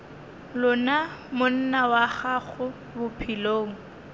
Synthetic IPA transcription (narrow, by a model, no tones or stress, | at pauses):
lʊnamʊn̩nawaχaχʊ | bʊpʰiloːŋ̩